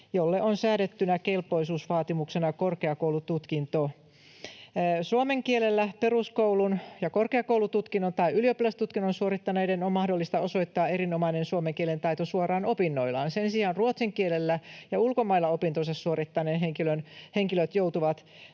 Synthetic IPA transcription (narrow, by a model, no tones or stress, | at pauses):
jolːeʔonsæːdet̪ːynækelpːˑo̞jsuːsʋɑːt̪imuksenɑkorkeɑkowlut̪ut̪kint̪o | suomeŋkielelːæpe̞ruskoulunjɑkorkeɑkoulut̪ut̪kinːont̪ɑiyliopilæst̪ut̪kinːonsuoɾit̪ːɑneidenommɑhdolːist̪ɑo̞so̞jt̪ːɑːeɾinomɑinensuomeŋkielent̪ɑjt̪osuorɑːnopinːo̞ilɑːnsensiɑːnruot̪siŋkielelːæjɑulkomɑilːɑopint̪osɑssuorit̪ːɑneːnɦeŋkilønheŋkiløt̪jowt̪uʋɑt̪